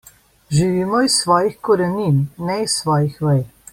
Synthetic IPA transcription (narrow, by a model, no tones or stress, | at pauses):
ʒiʋiːmɔisʋɔːjixkɔɾɛninːɛisʋɔːjixʋɛj